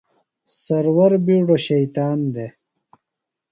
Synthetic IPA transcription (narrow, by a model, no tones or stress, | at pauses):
sɐɾwɐɾbiɖoɕɐjt̪aːnd̪e